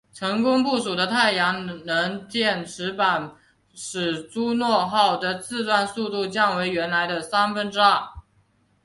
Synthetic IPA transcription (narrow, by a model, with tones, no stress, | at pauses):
ʈ͡ʂʰɤ˧˥ŋkʊ˥ŋp̬u˥˩ʂu˨˩ɾə˦t̪ʰa˥˩ɪjɑ˧˥ŋnə˧˥ŋt̪jɛ˥˩nʈ͡ʂɻ̩˧˥pa˨˩n | ʂɻ̩˨˩ʈ͡ʂu˥nwɔ˥˧xɑ˥˩ʊd̪ə˨t͡sɹ̩˥˧t̪wa˥˧nsu˥˧t̪u˥˧t͡ɕjɑ˥˩ŋwe˧˥ɪɥɛ˧˥nla˧˥ɪd̪ə˧sa˥nfə˥nʈ͡ʂɻ̩˥a˥˩